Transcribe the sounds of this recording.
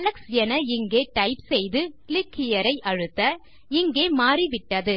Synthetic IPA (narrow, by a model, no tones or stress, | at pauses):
ɐlɐksɛnɐɪŋɡeːʈɐɪpsɛjðɯklɪkːɪjɐɾɐɪʔɐɻɯt̪ːɐ | ɪŋɡeːmaːɾiʋɪʈːɐðɯ